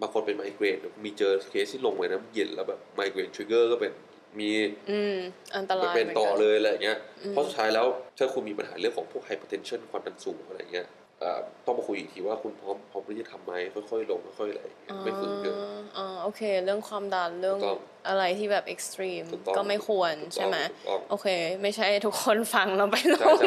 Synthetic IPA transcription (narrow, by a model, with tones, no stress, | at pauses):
baː˧ŋkʰo˧npe˧nmaː˧˦jkɾeː˧n˨˩miː˧t͡ɕɤː˧kʰeː˦˥st̪ʰiː˥˩lo˧ŋmaː˧jna˦˥˩je˨˩nlɛː˦˥wbɛː˨˩p̚maː˧˥jkeː˧nt̪ʰu˧˥ɡɤː˥˩kɔː˥˩pe˧n | miː˧ɯː˧˩mʔa˧nt̪a˧laː˨˦˩pe˧nt̪ɔː˧˨˩lɤː˧jʔa˧la˧ja˨ŋːi˦˥ɐɔ˦˥su˨˩t̪ʰaː˦˥jlɛː˦˥wt͡ɕʰa˥˩kʰu˧nmiː˧pa˧nhaː˩˦lɯ˥˩əŋkʰɔː˩˦pʰu˥˩k̚tʰa˧jpʰa˧t̪ʰe˧nt͡ɕʰɤ˥˩nkʰwaː˧mta˧nsuː˨˩˦ŋʔa˧ɾa˧jːa̰˨˩ŋːi˦˥ɐ | ʔə̰ː˨˩t̪ɔ˥˩ŋpa˧kʰu˧jḭ˨˩ŋt̪ʰiː˧waː˥˩kʰu˧npʰɔː˦˥mpʰɔː˦˥mk̪ʰːt̪ʰa˧mːa˦˥jkʰɔ˥˩jkxʰɔ˥˩jlo˧ŋkʰɔ˥˩jkʰɔ˥˩jʔa̰˧j̰ŋi˦˥kɔ˥˧˩ma˥˩ku˧ɯ˥˩˨ʔɔː˧˩ʔoː˧kʰeː˧ɾɯ˥˩əŋkʰwaː˧mda˨˩tɾɯ˥˩əŋɔ˥˩ŋ | ʔa˧ɾa˧jt̪ʰiː˥˩bɛː˨˩p̚ʔe˨˩k̚st̪ɾiː˧mʰ˨˩k̪ːkɔː˥˩ma˥˩jkʰu˧ənʰ˨a˥˩˥jma˦˥˧ɔ̰˥˩ŋʔoː˧˩kʰeː˧ma˥˩jt͡ɕʰa˥˩jt̪ʰu˦˥kʰːo˧nfa˧ŋlɛ˦˥wpa˧jlo˧ŋ